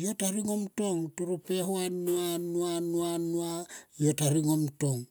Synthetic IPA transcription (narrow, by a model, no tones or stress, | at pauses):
jo̞taɾiŋo̞mto̞ŋtuɾupe̞ɦoanuanuanuanuajo̞taɾiŋo̞mto̞ŋ